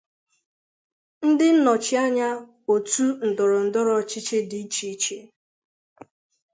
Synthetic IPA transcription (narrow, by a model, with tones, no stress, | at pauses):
n̩˦dɪ˦n̩˦nɔ˨t͡ʃɪ˦a˦ɲa˦ | o˨tu˦n̩˨dɔ˨ɾʊ˨n̩˨dɔ˦ɾɔ˨t͡ʃɪ˦t͡ʃe˦di˨i˦t͡ʃi˦i˦t͡ʃe˦